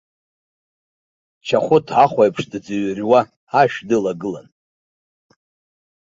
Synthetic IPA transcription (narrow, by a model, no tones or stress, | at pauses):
t͡ʃʰaχʷʊtʰʕaχʷajpʰʂdɨd͡zɨɥrʲwa | aʃᶣdɨlaɡɨla̰n